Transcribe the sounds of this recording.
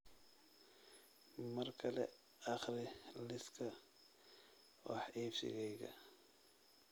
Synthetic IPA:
mɐrkʰɐlɛ̰ | ɑχrɪlɪskʰɐ | wɑ̰ħiːfsɪ̰ɣɛjɣɐ̰

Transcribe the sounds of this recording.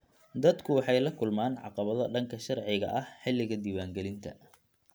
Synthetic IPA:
d̪ɐd̪kʰʊwɑħɑjlɐkʰʊlmaːnʕɑ̰qɑβɐðɔɖɐŋkʰɐʃɐrʕɪɣɐ̰ʔɐhħɪlːɪɣɐd̪iːwaːŋɡɛlɪnt̪ʰɐ̰

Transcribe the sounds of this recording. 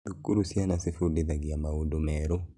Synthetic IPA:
ðukuɾusianasifudiðaɡiamaudumɛɾu

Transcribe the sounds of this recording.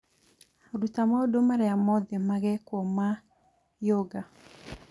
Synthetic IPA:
ɾutamaodomaɾɛamɔdɛmaɣɛkwɔma | joɡa

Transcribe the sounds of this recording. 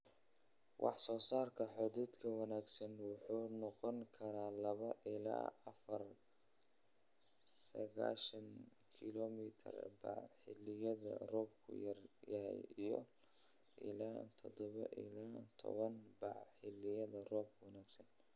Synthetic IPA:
wʔɑ̰ħsɔːsaːrkʰɐħʊd̪uːd̪kʰɐwɑnaːɡsɐnwɑħuːnɔqɔŋkʰɐɾaːlɐβɐʔɪla̰ːɐfɐr | sɐ̰ɣa̰ːʃɐŋkʰɪlɔmit̪ʰɐ̰rbɑ̰ʕħɪlɪjɐðɐ̰rɔːb̚kʰʊ̰jɐrjɐɦɛ̰jijɔ̰ | ʔɪ̰laːt̪ʰɔd̪ɔβɐʔɪ̰laːt̪ʰɔ̰βɐnbɑʕħɪlɪjɐðɐrɔːb̚kwɑnaːɡsɐn

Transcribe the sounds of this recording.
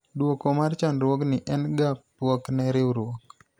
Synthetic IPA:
dwokomart͡ʃanɾwoknɪʔɛnɡapː | wɔknɛɾɪɾwok

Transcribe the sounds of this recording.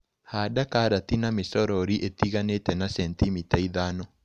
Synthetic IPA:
haːdakaːɾat̪inamesɔɾɔɾiʔet̪iɣanetɛnasɛntimitaiðaːnɔ

